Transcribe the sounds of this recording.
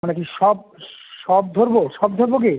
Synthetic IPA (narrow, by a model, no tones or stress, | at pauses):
onek̬iʃɔb̚ʃɔb̚d̪ʱoɾboʃɔbd̪ʱoɾboke